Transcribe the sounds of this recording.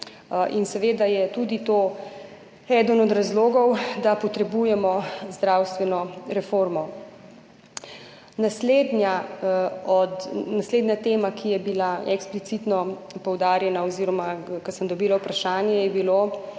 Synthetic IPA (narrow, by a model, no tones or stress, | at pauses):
ʔinsɛʋeːd̪ajɛt̪ud̪it̪oː | ɛd̪ənɔd̪ɾazloːɡɔwd̪apɔt̪ɾɛbujɛmɔzd̪ɾawst̪ʋɛnɔɾɛfoːɾmɔ | nasled̪na | ɔd̪nasleːd̪nɲat̪eːmakʰijɛbilaʔɛksplit̪it̪nɔpɔwd̪aːɾjɛnaɔziːɾɔmakɐsənd̪ɔbiːlawpɾaʃaːnjɛjɛbilo